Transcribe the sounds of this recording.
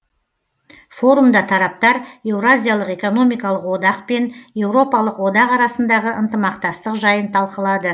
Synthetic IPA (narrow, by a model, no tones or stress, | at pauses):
fo̞ɾumd̪ɑt̪ʰɑɾɑp̚t̪ɑɾe̞wɾazʲijalˠəqe̞ko̞no̞mijkɑlˠəqwo̞d̪ɑqpe̞nje̞wɾo̞pɑlˠəqwo̞d̪ɑqɑɾɑsənd̪ɑʁəʔənt̪əmɑqt̪ɑst̪əqʒɑjənt̪ʰɑlˠqəlˠɑd̪ə